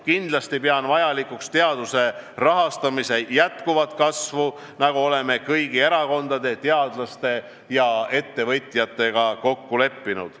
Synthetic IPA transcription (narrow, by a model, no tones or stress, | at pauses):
kind̪̥lɑst̪ipeɑnvɑjɑlikukst̪e̞ɑd̪̥use̞rɑɦɑst̪ɑmise̞jæt̪kuvɑt̪ˑkɑsvu | nɑɡ̥uo̞le̞me̞kɤjɡie̞ɾɑko̞nd̪ɑd̪e̞t̪e̞ɑd̪̥lɑst̪e̞ | jɑe̞t̪ːe̞vɤt̪ʲjɑt̪ːˑe̞ɡ̥ɑko̞kːule̞pːinṵd̪̥